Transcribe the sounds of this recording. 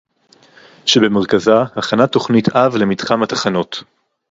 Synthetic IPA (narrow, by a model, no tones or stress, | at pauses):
ʃebe̞meʁ̞kazahaχanato̞χnitavle̞midχamatḁχano̞t